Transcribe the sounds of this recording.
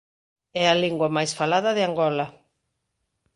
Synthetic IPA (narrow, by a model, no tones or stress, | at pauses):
ɛaliŋɡwɐmajsfalaðɐðɪaŋɡɔlɐ